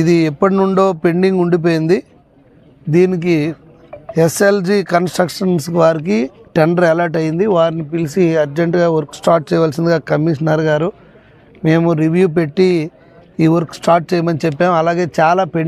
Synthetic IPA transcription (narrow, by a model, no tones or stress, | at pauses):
id̪iɛpːɐʈinuɳɖo̞ːpe̞ɳɖiŋɡuɳɖip̬oːjind̪i | d̪iːnik̬i | eseld͡ʒiːkɐnsʈɾɐkʂɐnsʋaːɾik̬iʈɐɳɖɐɾɛlɐɾʈɐjind̪iʋaːɾinipilisiɐɾd͡ʒeɳʈɡaːʋoɾksʈaːʈ̚t͡ʃɛːjʋaːlsind̪iɡaːkɐmiʂɐnɐɾɡaːɾu | me̞ːmuɾiʋjuːp̬e̞ʈːi | iːʋɐɾksʈaːʈ̚t͡ʃeːjimɐnit͡ʃɛpːaːmɐlaːɡe̞ːt͡ʃaːlaːpeɳ